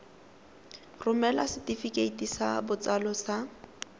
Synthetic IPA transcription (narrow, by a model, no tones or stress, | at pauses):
rʊmɛlasɪtifikeitisabʊt͡salɔsa